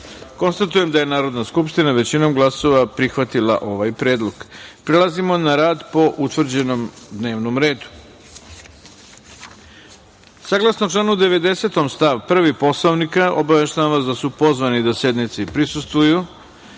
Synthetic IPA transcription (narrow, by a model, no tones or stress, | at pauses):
ko̞nst̪at̪uje̞md̪aje̞naːɾo̞d̪naskupʃt̪inaʋe̞t͡ɕino̞mɡlˠaso̞ʋapɾixʋat̪ilˠa̰ʔo̞ʋajpɾe̞ːd̪lˠo̞ɡpɾelazimo̞naɾaːd̪po̞ʔut̪ʋr̩d͡ʑe̞nomd̪ne̞ːʋnomɾe̞ːd̪u̥ | saɡlˠasnoʈ͡ʂlˠanuud̪e̞ʋe̞d̪e̞se̞t̪omst̪aʋpr̩ʋipo̞slˠoʋnikaʔobaʋeʃt̪aamʋasd̪asupo̞zʋanid̪ase̞d̪nit̪sipɾisust̪ʋuju